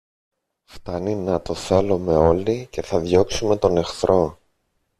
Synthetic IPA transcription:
ft̪ɐninɐt̪o̞θe̞lome̞o̞lice̞θɐðʝo̞ksume̞t̪o̞ne̞xθɾʔo̞

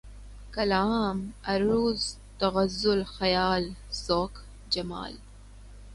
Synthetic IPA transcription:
kɐlaːmɐɾuːz | t̪ɐɣɐzʊlxɐjaːlsoːk | d͡ʒɐma̰ːl

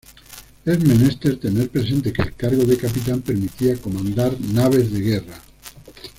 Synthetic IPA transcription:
ezmenest̪eɾt̪e̞neɾpɾes̬e̞nt̪e̞kelkaɾɣ̞oðekap̬it̪ampeɾmit̪iako̞mãnd̪aɾnaβ̞ezðe̞ɣera

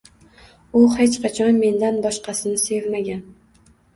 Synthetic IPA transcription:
ʊhet͡ʃqʰɑt͡ʃʰɒnme̞nd̪anbɒʃqʰɑsɪnɪse̞vmaɡʲan

